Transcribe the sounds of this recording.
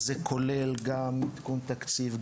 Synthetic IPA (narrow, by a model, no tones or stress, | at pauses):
zekʰolelɡamːit̪kunt̪akt͡siv